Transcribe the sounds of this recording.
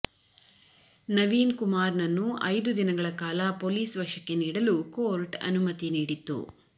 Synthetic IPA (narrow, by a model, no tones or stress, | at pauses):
nɐʋiːnkumaːɾnɐnːuʔɐjd̪ud̪inɐɡɐɭɐkaːlɐpoːliːsʋɐʂɐkːeniːɽɐlukoːɾʈɐ̰numɐt̪iniːɽit̪ːṵ